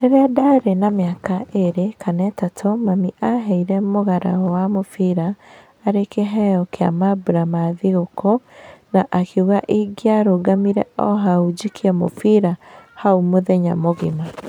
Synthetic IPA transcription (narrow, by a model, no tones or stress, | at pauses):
ɾɛɾɛadaɾenameakaʔeɾekʰanɛtatʰomamiʔaɦɛiɾɛmoɣaɾa̰ɔwamofiɾaː | ɾekeɦɛɔkea̰mabuɾamaðiɣokonaʔakʰeuɣaʔiɡiaɾoɡamiɾɛɔɦaud͡ʒikʰiɛmo̰fiɾahaumoðɛɲa̰moɣima